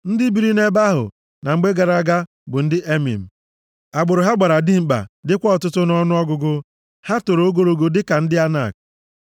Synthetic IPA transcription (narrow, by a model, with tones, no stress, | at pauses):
n̩˦dɪ˦bi˨ɾi˦ne˦ba˦ɦʊ̰˨ | na˨ŋ͡m̩˨˦ɡ͡be˦ɡa˨ɾa˨ɡa˦ | bʊ˨n̩˦dɪ˦ʔe˦mḭ˨m̩˨ | a˨ɡ͡bʊ˨ɾʊ˨ɦa˦ɡ͡ba˨ɾa˨dɪ˦m̩˨k͡pa̰˨dɪ˦kʷɔ˦ɔ˨tʊ˦tʊ˦nɔ˦nʊ˦ɔ˦ɡʊ˨˦ɡʊ˦ | ha˦to˨ɾo˨˦o˦ɡo˨ɾo˨ɡo˨dɪ˦ka˨n̩˦dɪ˦a˦na̰˦˨k̚